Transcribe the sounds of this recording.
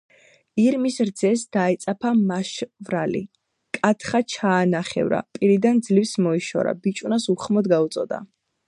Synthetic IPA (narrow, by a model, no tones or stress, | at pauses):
iɾmisɾd̪zɛsd̪̥aɛt̪sʼapʰamaʃvɾalḭ | kʼat̪ʰχat͡ʃʰaːnaχɛ̰vɾa̰pʼiɾid̪and̪zlifsmɔiʃɔ̰ɾa̰bit͡ʃʼunasuχmɔd̪ɡaut̪sʼɔd̪a̰